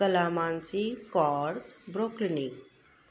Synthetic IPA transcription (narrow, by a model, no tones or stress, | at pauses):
kəlaːmansikɔɾbɾokɾini